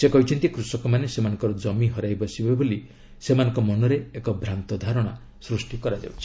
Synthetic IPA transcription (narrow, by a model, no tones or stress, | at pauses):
sekɔɦit͡ʃʰɔnt̪ikɾusɔkɔmanesemanɔ̃ŋkɔɾɔd͡ʒɔmiɦɔɾajbɔsibeboli | semanɔŋkɔmɔnɔɾeekɔbʱɾant̪ɔd̪ʱaɾɔɽ̃a | sɾusʈikɔɾad͡ʒa̰wt͡ʃʰi̥